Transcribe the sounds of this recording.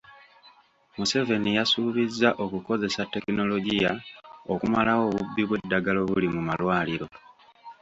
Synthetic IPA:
muse̞ve̞nijasuβizːaʔo̞kuko̞ze̞satːe̞kino̞lo̞ɟijao̞kumalawo̞βubːiβwe̞dːaɡaloβulimumalwaːliɾo̞

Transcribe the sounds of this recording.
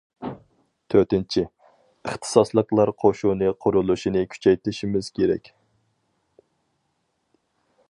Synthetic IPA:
t̪ʰøɾt̪ɪnt͡ʃʰi | əχt̪ʰɨ̥sɑslˠəqlˠɑɾqʰoʃunɨqʰʊɾulˠuʃinɨkʲʰy̥t͡ʃʰɛjt̪ɪʃimɪz̥kʲʰeɾɛ̰kʲ

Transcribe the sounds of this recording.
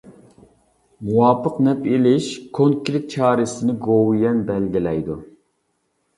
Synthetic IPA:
muwɑpʰːəqnɛpilɪʃkʰoŋkʲʰɾɪk̚t͡ʃʰɑːɾɪsɪnɪɡowjɛnbɛlɡʲilɛjd̪u

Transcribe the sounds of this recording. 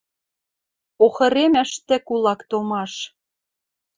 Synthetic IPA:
oxɤ̆ɾemæ̆ʃt̪ɘ̆kulɑkt̪omɑʃ

